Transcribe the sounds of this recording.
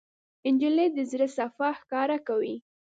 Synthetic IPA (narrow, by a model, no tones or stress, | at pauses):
ɪnd͡ʒɪled̪əzɾəsafaxkɑɾakawi